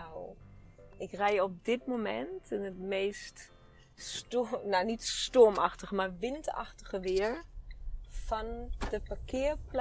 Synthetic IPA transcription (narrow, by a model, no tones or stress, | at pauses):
aw | ɪkrɛjɔp̚dɪtmomɛ̰ntʰɪnətmeːst | stonanitstɔɹmaxtəɣəmaɹʋɪnta̰xtəɣəʋɪəɹ | fɔnd̥əpakʰɪːəɹpl